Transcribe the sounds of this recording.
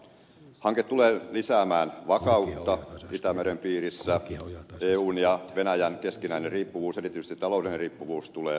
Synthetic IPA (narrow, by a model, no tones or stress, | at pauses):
hɑŋket̪t̪uleːlisæːmæːnʋɑkɑut̪ːɑit̪æmeɾempiːɾisːæeːuːnjɑʋenæjænkeskinæinerriːpːuʋuːselit̪ːˑyst̪it̪ːɑloudenriːpːuʋuːst̪uleː